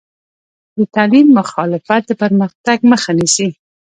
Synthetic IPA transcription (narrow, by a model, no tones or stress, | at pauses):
d̪ət̪alimːʊxɑlɪfat̪̚d̪əpəɾməxt̪aɡməxanisi